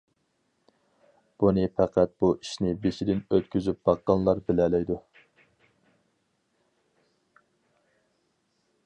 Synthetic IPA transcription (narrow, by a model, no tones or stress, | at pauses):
b̥unɨfæqʰæt̪̚buʔiʃnɪbeʃid̪ɪnøt̪kʲyzyp̚bɑqːɑnlˠɑɾbɪlɛlɛjd̪u